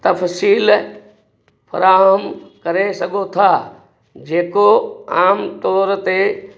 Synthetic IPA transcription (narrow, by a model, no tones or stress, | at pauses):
t̪ɐfsiːl | pʰɐ̰ɾaːɦəmkɐɾesɐɡʱot̪ʰaː | d͡ʒeːkoaːmt̪ɔːɾt̪e